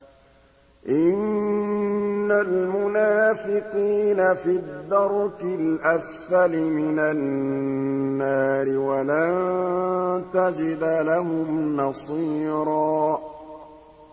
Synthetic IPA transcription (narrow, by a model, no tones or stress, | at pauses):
ʔɪn | almʊnaːfɪqiːnafiðːɑɾˤkɪlʔasfalɪmɪnanː | aːɾɪwala | t̪ad͡ʒɪd̪laɦʊmnɑsˤiːɾɑː